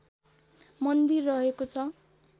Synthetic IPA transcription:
mʌnd̪irːʌɦekot͡sʰʌ

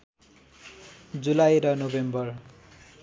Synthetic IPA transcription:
d͡zulajɾʌnobembʌr

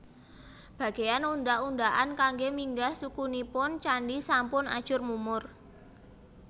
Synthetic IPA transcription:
b̥ä̤ɡ̥ejanuɳdaʔundaʔankaŋɡemiŋɡahsukunipʊnt͡ʃaɳɖisampʊna̰̥ʒ̥ʊ̤rmumʊr

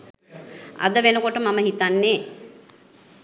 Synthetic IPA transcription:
a̰d̪əʋenəkoʈəmaməɦit̪anːeː

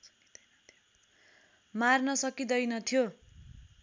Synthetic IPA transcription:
marnʌsʌkid̪ʌjnʌt̪ʰijo

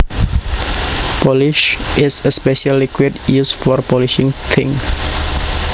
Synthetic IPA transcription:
pɔliʃɪsəspɛʃalːikʰwidjusfɔrpʰɔliʃĩŋt̪ʰɪ̃ŋs

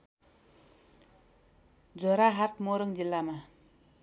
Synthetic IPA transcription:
d͡zoɾaɦart̪̚moɾəŋɲd͡ʑəlːama

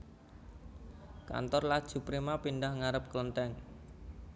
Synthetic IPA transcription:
ka̰nt̪ɔrlad̥ʒ̥ṳpɾimapindahŋaɾəp̚klənt̪ɛŋ

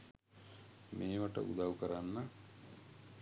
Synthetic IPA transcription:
meːʋɐʈə̰ud̪aːʋkɐɾanːɐ

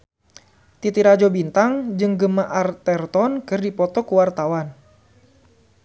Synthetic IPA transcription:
t̪it̪iɾad͡ʒɔbint̪aŋd͡ʒɨŋɡəmaʔart̪ɛrt̪ɔnkɨrdipɔt̪ɔkuwart̪awan

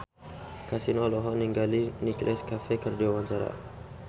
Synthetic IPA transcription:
kasinɔlɔɦɔniŋɡaliniklʔɛskafɛkərd͡ʒawaɲt͡ʃaɾa̰

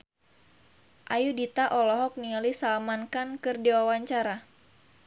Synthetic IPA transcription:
ʔajudit̪aʔɔlɔɦɔk̚nialisalmankankɨrdiwawaɲt͡ʃaɾa

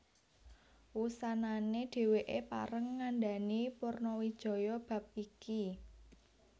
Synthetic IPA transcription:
wusananeɖ̥e̤weʔepa̰ɾəŋːanɖa̤nipurnɔwid̥ʒ̥ɔ̤jɔb̥ä̤p̚iki

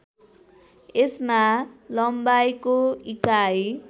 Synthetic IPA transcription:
esmalʌmbajkoikaj

